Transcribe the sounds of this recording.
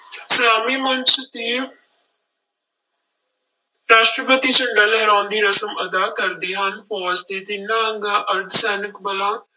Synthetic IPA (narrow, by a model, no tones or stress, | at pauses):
səlaːmiːmənt͡ʃt̪iː | ɾaːʃʈɾəpət̪iːt͡ʃəɳɖəlɦɛːɾãːnd̪iːɾəsəməd̪aːkəɾd̪iːɦənfʰɔːsd̪iːd̪ɪnːaːəŋɡaːʔəɾd̪sɛːnɪkbəlãː